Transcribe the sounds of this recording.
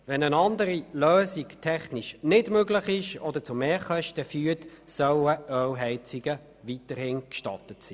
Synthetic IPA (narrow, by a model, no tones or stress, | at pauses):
vɛnənɑndəɾiløːsiktʰɛχnɪʃnɪdmøɡlɪχɪʃɔd̪ət͡sʊmeːχœʃtəfyːtsœwəœɦɛɪt͡siɡə | vitəɾhɪːnkʃtɑ̰tətsiː